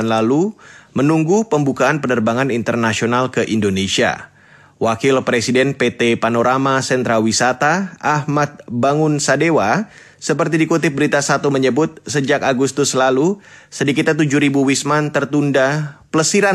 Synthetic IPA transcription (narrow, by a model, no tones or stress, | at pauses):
nlalumənuŋɡupəmbukaːnpənərbaŋanint̪ərnasionalkəʔindonesia̰ | wakilpɾesidɛnpet̪epanoɾʔamasɛnt̪ɾalwisat̪aahmat̪̚baŋʊnsadewa | səpərt̪̬idikut̪̬ɪp̚bəɾit̪asat̪uməɲəbʊt̪̚səd͡ʒakaɡust̪ʊslalusədikit̪̚at̪ud͡ʒuɾibuwismant̪ərt̪undapələsiɾa